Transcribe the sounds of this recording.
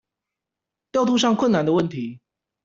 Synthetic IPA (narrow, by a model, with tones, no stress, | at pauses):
t̪jɑ˥˧ʊt̪ʰu˥˧ʂ̬ɑ˥˨ŋkʰwə˥˨na˨nd̪ə˨wə˥˩nt̪ʰi˨˦